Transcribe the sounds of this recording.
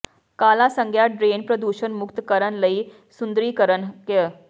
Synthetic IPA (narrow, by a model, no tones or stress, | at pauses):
kalasəŋɡʱjaɖɾenpɾəd̪uɕənmukt̪kəɾənləiː | sund̪ɾiːkəɾənkə